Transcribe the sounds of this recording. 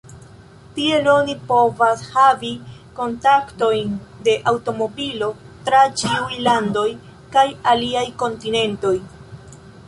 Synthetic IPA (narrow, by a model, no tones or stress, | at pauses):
tie̞lonipo̞vashaviko̞ntakto̞jnde̞ʔawto̞mo̞bilo̞ | tɾat͡ʃiujlando̞j | kajaliajko̞ntine̞nto̞j